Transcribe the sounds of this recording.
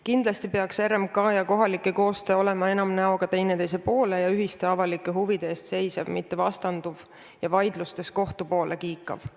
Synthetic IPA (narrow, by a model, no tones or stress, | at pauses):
kind̪̥lɑst̪ipe̞ɑkseɾemkɑːjɑko̞ɦɑlikːˑeko̞ːst̪eːo̞le̞mɑe̞nɑmnæo̞kɑt̪e̞jne̞t̪e̞js̬e̞po̞ːle̞jɑyɦist̪e̞ɑvɑlikːˑeɦuvid̪̥eeːst̪se̞jsɑvmit̪ːe̞vɑst̪ɑnd̪uv | jɑvɑjd̪̥lust̪e̞sko̞ht̪upo̞ːlʔe̞kiːkːˑɑ̰v̥